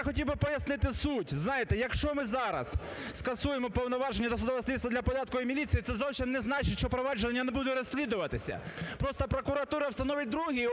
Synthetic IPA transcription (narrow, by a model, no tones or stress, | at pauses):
xɔtʲiwbɪpɔjɐsnɪt̪ɪsutʲznɑjet̪ɛjɐkʃt͡ʃɔmɪzɑɾɐ̰s | skɐsujemɔpɔwnɔʋɑʒenʲːɐt̪ɐsʊd̪ɔʋɐsʲlʲit̪sɐd̪lʲɐpɔd̪ɑt̪̚kɔimʲilʲit̪sijit̪ɛzɔwsʲimnɛznɑt͡ʃɪtʲʃt͡ʃɔpɾɔʋɑd͡ʒʊnʲːɐnɛbud̪ʊɾɔsʲlʲid̪ʊʋɐt̪ɪsʲɐ̰pɾɔst̪ɔpɾɔkʊɾɐt̪uɾɐwst̪ɐnɔʋʲɪt̚ʲd̪ɾuɦi